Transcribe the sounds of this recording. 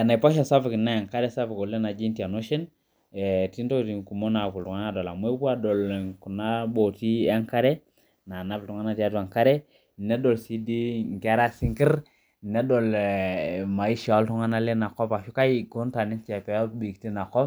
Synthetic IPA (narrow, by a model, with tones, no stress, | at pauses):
a˨na˨pa˦ʃ̬a˨sa˦fi˨ki˨na˦ja˨ŋka˦ɾe˦sa˦fi˨ko˨le˦na˨d͡ʒi˦nti˨a˨no˦ʃe˦n˨ | ti˦nto˦ti˨ŋku˨mo˦na˨ku˨ltu˨ŋa˦na˦˨do˨la˨mu˦e˦ku˦a˦˨do˨lku˨na˦bo˨ti˦a˦ŋka˦ɾe˦ | na˨na˨˦ftu˨ŋa˦na˦ti˦a˦tu˨a˨ŋka˦ɾe˦ | ne˦do˨lsi˦di˦ŋ˨ke˦ɾa˦si˦ŋki˦ɾ | ne˦do˨l | ma˨i˦ʃa˨o˦ltu˦ŋa˦na˦le˦na˨kɔ˦pa˨ʃu˦ka˦i˦ko˦nta˨ni˦nt͡ʃa˨pɛ˨o˦bi˨kti˦na˨kɔ˦